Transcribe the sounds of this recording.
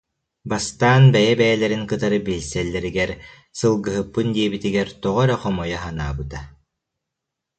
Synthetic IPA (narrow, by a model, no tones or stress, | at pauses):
bast̪aːnbɛjɛbɛjɛlɛɾinkɯt̪aɾɯbilʲsɛlːɛɾiɡɛɾ | sɯlˠɡɯɦɯpːɯnd̪iɛbit̪iɡɛɾt̪ɔʁɔɾɛχɔmɔjaɦanaːbɯt̪a